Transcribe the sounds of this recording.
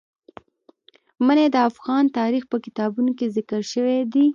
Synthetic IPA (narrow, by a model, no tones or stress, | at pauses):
məned̪əafɣɑnt̪ɑɾixpəkɪt̪ɑbunokezɪkəɾʃəwed̪i